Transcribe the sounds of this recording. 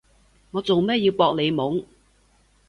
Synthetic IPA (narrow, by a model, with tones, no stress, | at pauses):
ŋɔː˨˧t͡so˨wmɛː˥jiː˧wpɔː˧k̚le˨˧jmʊ˨˥ŋ